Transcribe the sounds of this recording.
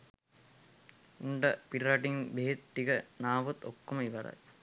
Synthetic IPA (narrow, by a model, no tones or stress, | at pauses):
uɳɖɐpiɾɐʈiŋbeɦet̪ːiɡɐnaːʋut̪ːokːomɐiʋɐɾɐ̰j